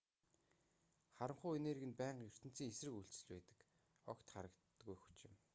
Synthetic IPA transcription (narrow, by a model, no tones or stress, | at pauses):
χaɾə̆mχʊːeneːɾɣɘ̆npæːɴqjɵr̥t̪ɘ̆n̥t͡siːŋesrɘ̆kuɬt͡sɘ̆ɮpæːt̪ə̥̆k | ɔkt̪χaɾə̆kt̪ɡujxu̥t͡ɕɪ̆m